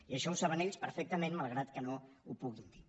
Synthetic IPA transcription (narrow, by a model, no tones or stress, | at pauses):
iəʃɔusaβəneʎspəɾfɛk̚t̪əmẽnmalˠɣɾat̪kənoupuɣind̪i